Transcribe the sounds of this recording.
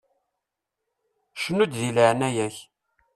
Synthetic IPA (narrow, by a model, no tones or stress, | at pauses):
ʃənud̪ðilʕnæjæç